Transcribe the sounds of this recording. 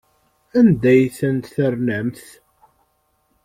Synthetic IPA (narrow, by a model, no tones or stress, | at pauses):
ænd̪æjθənt̪θərnæmθ